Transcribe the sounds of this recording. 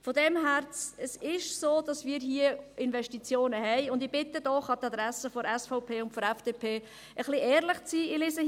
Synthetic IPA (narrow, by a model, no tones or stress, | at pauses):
fɔdɛmɦæɾt͡səsɪʃsoːd̥ɑsmiːɾɦiəɪnvɛʃtit͡sjoːnəɦɛɪʊndɪb̥ɪtːədɔχɑtɑd̪ɾɛsəfɔɾɛsfɔʊpʰeːʊntfɔɾɛfd̥epʰeː | əχliɛːɾlɪχt͡siːilɪsə